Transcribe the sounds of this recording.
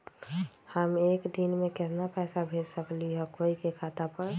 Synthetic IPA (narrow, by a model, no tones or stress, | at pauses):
həmekd̪inmekɛt̪napɛsabʱeɾsəkliɦɔkoikekʰat̪apəɾ